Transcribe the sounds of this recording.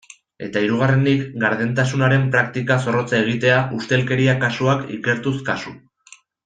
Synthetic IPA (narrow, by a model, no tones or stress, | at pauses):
e̞̰t̪aiɾuɣ̞are̞nd̪ikɡaɾðent̪asunaɾe̞mpɾakt̪ikaso̞ro̞t͡sae̞ɣ̞it̪e̞aʔust̪e̞lke̞ɾiakasuakḭke̞ɾt̪uskasu